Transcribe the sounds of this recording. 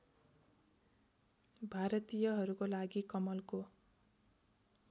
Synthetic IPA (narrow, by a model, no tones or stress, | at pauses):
bʱaɾʌt̪ijʌɦʌɾukolaɡikʌmʌlko